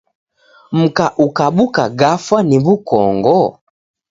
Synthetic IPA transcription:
m̩kaʔukaɓukaɡafaniβukɔ̰ŋɡɔ

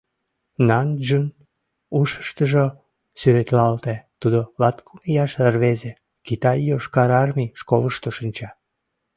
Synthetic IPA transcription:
nɑnʒun | uʃə̥ʃt̪əʒo | syɾet̪lɑlt̪et̪ud̪olɑt̪kumijɑʃərβeze | kit̪ɑjːoʃkɑɾɑrmiʃkoləʃt̪oʃənʲt͡ɕɑ

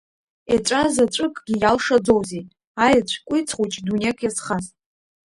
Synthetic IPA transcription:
at͡ʃʷʼazat͡ʃʷʼɨkʼɡʲijalʂad͡zowze | ajat͡ɕʷʰkʷʼijt͡sʰχʷut͡ʃʼdunʲekʰʼjasχaztʼ

